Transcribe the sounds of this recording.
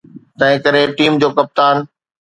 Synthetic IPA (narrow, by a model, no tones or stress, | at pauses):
t̪ɐ̃ɦɪ̃kɐɾeʈiːmd͡ʑoːkɐp̚t̪aːn